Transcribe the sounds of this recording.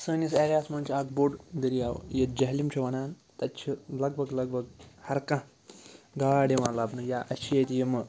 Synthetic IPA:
səniseɾjaːsmɐnt͡ʃʰiakboɖd̪əɾiaːʋ̰jed͡ʒɐɦlimt͡ʃʰuʋɐnaːn | t̪ɐt̪t͡ʃʰilɐɡ̚bʱɐɡlɐɡ̚bʱɐɡhɐɾkã | ɡaːɽiʋãlaːbnujaʔɐʃʰijet̪ijemɐ

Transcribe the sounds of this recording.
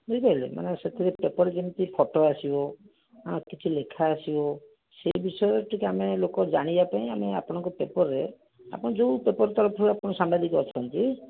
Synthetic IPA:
bupaɾilḛma̰neset̪ʰiɾepepɔɾed͡ʒimt̪ipʰɔʈoasibɔ | ãkit͡ʃʰilekʰaːsibɔ | sebisɔjɔʈikiamelokɔd͡ʒaɽ̃ibapaĩameapɔɽ̃ɔŋkɔpepɔɾːe | a̰pɔɽ̃ɔ̃d͡ʒopepɔɾt̪ɔɾɔpʰɔɾeapɔɽ̃ɔsambad̪ikɔɔt͡ʃʰɔnt̪i

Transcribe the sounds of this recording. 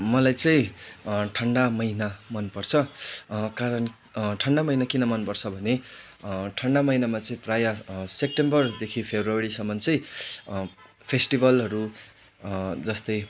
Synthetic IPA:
mʌlajt͡sʌĩʈʰʌɳɖamʌjnamʌnpʌrt͡sʰʌ | kaɾʌn | ʈʰʌɳɖamʌjnakinʌmʌnpʌrt͡sʰʌbʱʌne | ʈʰʌɳɖamʌjnamat͡sʌĩprajasep̚ʈembʌrd̪ekʰipʰebʱruaɾisʌmʌnt͡sʌĩ | pʰesʈibʱʌlɦʌɾu | d͡zʌst̪ʌj

